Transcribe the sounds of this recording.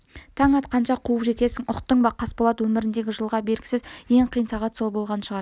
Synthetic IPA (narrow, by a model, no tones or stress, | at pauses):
t̪ʰɑɴɑt̪̚qʰɑnʃɑqʰuəpʒe̞t̪e̞sɪŋʊqt̪ːəɴbɑqʰɑsbolˠɑt̪wɵmɪɾɪnd̪e̞ɡʲɪʒəlˠʁɑbe̞lɡʲɪ̥sɪzje̞ɴqʰijənsɑʁɑt̪so̞lˠbo̞lˠʁɑnəʃəʁɑɾ